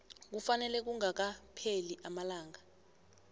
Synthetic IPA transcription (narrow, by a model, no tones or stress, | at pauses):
k̬ufanɛlɛk̬uŋak̬apʰeliʔamalaːŋa